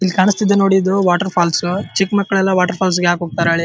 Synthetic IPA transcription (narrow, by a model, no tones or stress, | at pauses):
ilːkaːɳɨst̪id̪ːeno̞ːɽid̪uʋaːʈɐɾpʰaːlsut͡ʃikmɐkːɐɭɛlːɐʋaːʈɐɾpʰaːls̬ɡeaːkɦoːɡ̚t̪aːɾeaːɭi